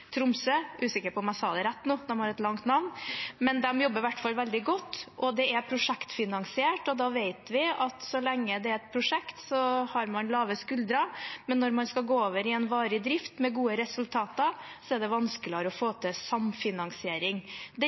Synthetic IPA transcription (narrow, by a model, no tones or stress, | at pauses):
t̪ʰɾʊmsøʔʉːsɪkːəpɔmæsɑːd̪əɾæt̪ːnuːd̪ɛmhɑɾɛt̪lɑŋt̪nɑʋnmɛnd̪ɛmjɔbːəɾʋæʈːfɑlʋɛld̪ɪɡɔt̪ːʔɔd̪ɛæpʰɾʊʂɛkt̪fɪnɑŋsɪeːʈɔd̪ɑːʋeɪt̪ʋɪɑt̪sɔlɛŋːəd̪ɛæɾɛt̪̚pʰɾʊʂɛkt̪sɔhɑɾmɑnlɑːʋəskʉld̪ɾɑmɛnːɔɾmɑnskɑɡoːoːʋəɾɪɛnʋɑːɾɪd̪ɾɪft̪mɛɡuːəɾɛsʉlt̪ʰɑːt̪ɑsɔɛɖɛʋɑnskəlɪɑɾɔfoːt̪ʰəsɑmfɪnɑŋsɪeːɾɪŋd̪ɛ